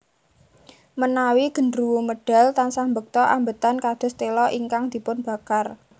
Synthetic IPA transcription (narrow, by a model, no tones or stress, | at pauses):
mənawiɡ̥ə̤nɾuwuməɖ̥a̤lt̪ansambək̚t̪ɔʔa̰mbət̪ankad̪̥ʊ̤st̪elɔʔiŋkaŋd̪̥i̤pʊnb̥ä̤kar